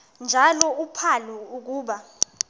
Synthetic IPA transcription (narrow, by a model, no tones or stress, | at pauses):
nd͡ʒʱalɔupʰalɛuk̬uːɓa